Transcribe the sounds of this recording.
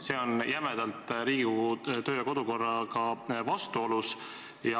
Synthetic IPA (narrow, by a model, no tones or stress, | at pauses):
se̞ːo̞njʔæmed̪̥ɑlt̪ˑɾiːɡut̪ø̞ːjɑko̞d̪uko̞rːɑkɑvɑst̪uo̞lus | jɑ